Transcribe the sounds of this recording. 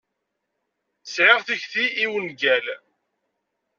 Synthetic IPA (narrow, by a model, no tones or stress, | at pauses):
sʕɪʁθiçθiːwənɡæl